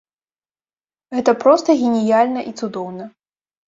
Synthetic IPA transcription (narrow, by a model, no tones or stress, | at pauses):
ɣɛt̪ɐpɾɔst̪ɐɣʲenʲijalʲnɐʔit̪sud̪ɔwnɐ